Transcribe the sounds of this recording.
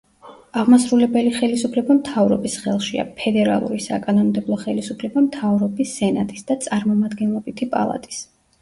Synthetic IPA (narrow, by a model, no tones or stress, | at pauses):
aʁmasɾulɛbɛliχɛlisupʰlɛbamt̪ʰavɾɔ̰bisχɛlˠʃia̰pʰɛd̪ɛɾa̰lˠṵɾisa̰kʼanɔnmd̪ɛblˠɔχɛlisupʰlɛbamt̪ʰavɾɔbisɛnat̪ʼisd̪at̪sʼaɾmɔmad̪ɡɛnlɛbit̪ʰipʼa̰lˠa̰t̪ʼi̥s